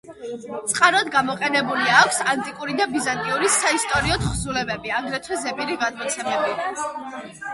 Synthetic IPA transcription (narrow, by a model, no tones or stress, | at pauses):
tt̪sʼqʼaɾɔd̪ɡamɔqʼɛnɛbuliakʷʰsant̪ʼikʼuɾid̪abizant̪ʼiuɾisaist̪ʼɔɾiɔt̪χzulɛbɛbiaɡɾɛt̪ʰwɛzɛbiɾiɡad̪mɔt̪sʰɛmɛbi